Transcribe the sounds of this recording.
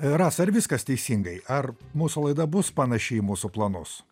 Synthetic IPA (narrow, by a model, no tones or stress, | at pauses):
ɾɑːsɐɾʋʲɪskɐst̪ʲɛɪsʲiŋɡɐɪʔɐrmuːsulˠɐɪd̪ɐbʊspɐnɐʃʲɛɪmuːsuplˠɐnʊs